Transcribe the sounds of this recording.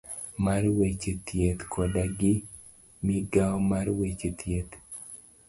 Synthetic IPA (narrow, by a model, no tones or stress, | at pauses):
maɾwet͡ʃet̪jet̪kʰɔdaɡɪ | miɡaɔmaɾwet͡ʃet̪jet̪